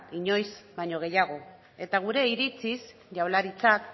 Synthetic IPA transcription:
iɲo̞jzbajɲo̞ɣ̞e̞jaɣ̞o̞ | e̞t̪aɣ̞uɾe̞iɾit͡sis | ʝawlaɾit͡sak

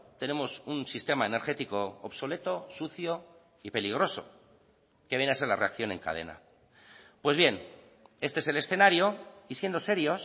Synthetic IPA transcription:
t̪e̞ne̞mo̞sunsist̪e̞maene̞ɾχe̞t̪iko̞ːβso̞le̞t̪o̞suθjo̞ | ipe̞liɣ̞ɾo̞so̞̰ | ke̞βenaselareakθjo̞nẽ̞̰ŋka̰ð̞ḛna̰ | pwe̞zβje̞n | e̞st̪eese̞le̞sθe̞naɾjo̞isje̞nd̪o̞se̞ɾjo̞s

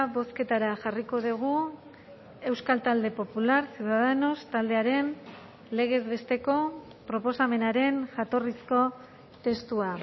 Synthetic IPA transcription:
βo̞ske̞t̪aɾaʝariko̞ðuɣ̞u | e̞wskalt̪ald̪e̞po̞pulaɾsjuðaðeno̞st̪ald̪e̞aɾe̞n | le̞ɣe̞zβe̞st̪e̞ko̞ | pɾo̞po̞same̞naɾe̞nʝat̪o̞risko̞ | t̪e̞st̪ua

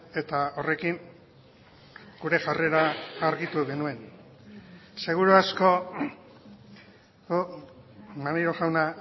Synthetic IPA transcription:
e̞t̪ao̞re̞kiŋ | ɡ̥uɾe̞ʝare̞ɾaːɾɣit̪uɣe̞nue̞n | se̞ɣ̞uɾuasko̞ | u | maniɾoʝawna

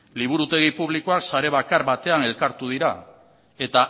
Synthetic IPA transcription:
liβ̞uɾut̪e̞ɣ̞ipuβ̞likoaksaɾe̞β̞akaɾβat̪e̞ane̞lkaɾt̪uð̞iɾa | e̞t̪a

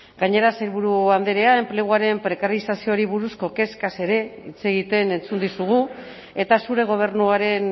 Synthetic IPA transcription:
ɡ̥aɲe̞ɾaseɾβuɾuand̪eɾe̞aemple̞ɣ̞uaɾe̞mpɾe̞kaɾisasio̞ɾiβuɾusko̞ke̞skase̞ɾe̞it͡se̞ɣ̞it̪e̞ne̞nt͡sund̪isuɣ̞u | e̞t̪asuɾe̞ɣ̞o̞β̞e̞ɾnuaɾe̞n

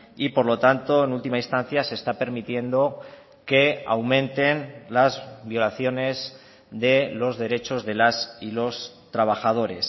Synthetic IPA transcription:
ipo̞ɾlo̞t̪ant̪o̞enult̪imainst̪an̟θjase̞st̪ape̞ɾmit̪je̞nd̪o̞ | ke̞a̰wmẽ̞nt̪e̞nlazβjo̞laθjo̞ne̞z | ðe̞lo̞zðe̞ɾe̞t͡ʃo̞zðe̞lasilo̞s | t̪ɾaβ̞axað̞o̞ɾe̞s

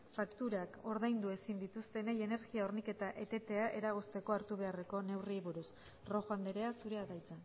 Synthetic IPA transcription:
fakt̪uɾako̞ɾðajnd̪ue̞sind̪it̪ust̪e̞neje̞ne̞ɾɣiaoɾnike̞t̪aʔe̞t̪e̞t̪e̞aʔe̞ɾaɣ̞ost̪e̞ko̞aɾt̪uβ̞e̞are̞ko̞ne̞wriβuɾus | ro̞ɣoand̪eɾe̞asuɾe̞aðajt͡san

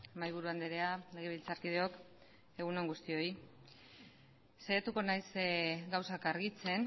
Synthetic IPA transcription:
majβ̞uɾuand̪eɾeale̞ɣeilt͡saɾkið̞e̞o̞k | e̞ɣ̞uno̞ŋɡust̪io̞i | seɣet̪uko̞najsɡawsakaɾɣit͡se̞n

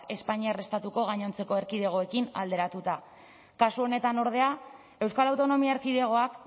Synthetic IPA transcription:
ke̞spaɲiare̞st̪at̪uko̞ɣ̞aɲo̞nt͡se̞ko̞e̞ɾkið̞e̞ɣ̞o̞ekina̰ld̪e̞ɾat̪ut̪a | kasuo̞ne̞t̪ano̞ɾð̞e̞a | e̞wskalawt̪o̞no̞miaeɾkiðe̞ɣ̞o̞ak

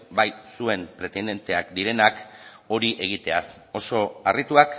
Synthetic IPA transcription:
bajsue̞mpɾe̞t̪end̪e̞nt̪e̞akd̪iɾe̞nako̞ɾiʔe̞ɣ̞it̪easo̞so̞arit̪uak

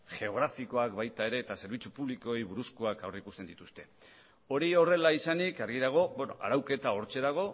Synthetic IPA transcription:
xe̞o̞ɣ̞ɾafiko̞akbajt̪ae̞ɾe̞ːt̪ase̞ɾβit͡supuβliko̞ejβuɾuskoakawreikust̪e̞nd̪it̪ust̪e̞ | o̞ɾio̞re̞laisanikaɾɣiðaɣ̞o̞ben̰a̰ɾawke̞t̪ao̞ɾt͡ʃe̞ðaɣ̞o̞

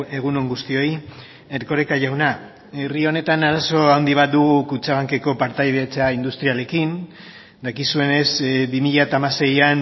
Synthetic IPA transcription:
e̞ɣ̞unoŋɡust̪io̞j | e̞ɾko̞ɾe̞kaʝawna | e̞rio̞ne̞t̪anaɾaso̞awnd̪iβ̞at̪̚d̪uɣ̞ukut͡ʃaɣaŋke̞ko̞paɾt̪ajðet͡saind̪ust̪ɾiale̞kin | d̪akisue̞ne̞sbimiʎat̪aːmase̞jan

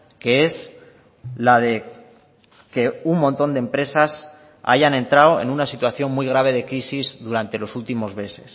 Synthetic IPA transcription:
ke̞es | lað̞e̞ | ke̞uŋmõnt̪o̞nd̪empɾe̞sas | a̰ʝane̞nt̪ɾawe̞̰nunasit̪waθjo̞nmuijɣ̞ɾaβ̞e̞ðe̞kɾisizðuɾant̪e̞lo̞sult̪imo̞zβe̞se̞̥s

